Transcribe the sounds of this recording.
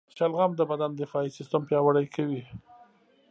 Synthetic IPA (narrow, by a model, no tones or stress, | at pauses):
t͡ʃalɣamd̪əbad̪and̪ɪfɑisɪst̪əmpjɑwaɽajkʰawi